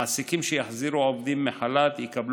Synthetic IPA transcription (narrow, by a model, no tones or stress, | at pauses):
asikimʃejaħziʁuovd̪imːeħalat̪jekabl